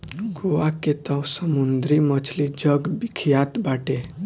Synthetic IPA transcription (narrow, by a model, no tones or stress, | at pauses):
ɡoaket̪əwsəmund̪ɾimət͡ʃʰlid͡ʒəɡbikʰjat̪baʈe